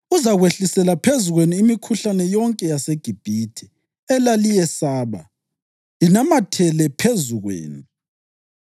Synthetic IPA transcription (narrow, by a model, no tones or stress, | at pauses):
uzaɣweɬisɛlapʰezuɣweniːmikʰuɬanɛjɔŋkʼɛjaseɡ̥ʱib̥ʱitʰi̥ | ɛlalijɛsaːβa̰ | inamatʰɛlɛpʰezuɣwḛːni